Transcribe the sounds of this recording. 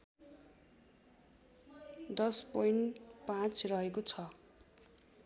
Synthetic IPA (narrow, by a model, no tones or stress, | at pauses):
d̪ʌspojɳʈpãt͡srʌɦekot͡sʰʌ